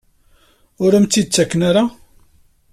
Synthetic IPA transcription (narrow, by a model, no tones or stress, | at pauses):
ʊɾæmt͡s̪ːid̪̚t͡sːækːnaɾa